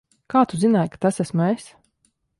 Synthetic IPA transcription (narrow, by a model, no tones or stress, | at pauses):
kaːt̪uzinaːjkḁt̪asæsmues